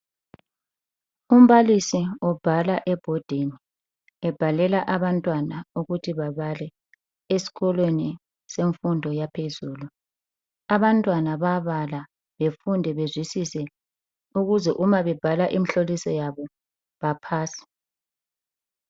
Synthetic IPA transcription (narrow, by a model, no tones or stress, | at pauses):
um̩βalisiɔb̥ʱalaʔɛb̥ʱɔd̥ʱeni | ɛb̥ʱalɛlaʔaβantʼwanauɣutʰiβaβalɛ | esi̥ɣɔlweni | seɱfundʱɔjapʰezuːlu | aβantʼwanaβaβala | βefundʱɛβezwisisɛ | uɣuzɛʔumaβɛb̥ʱalaʔimiɬolisɔjaβɔ | βapʰaːsi̥